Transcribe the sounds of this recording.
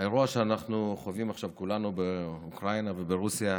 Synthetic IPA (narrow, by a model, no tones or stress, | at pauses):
ajeʁuaʃeanaχnuχovimaχʃavkulanubeukʁainavebeʁusija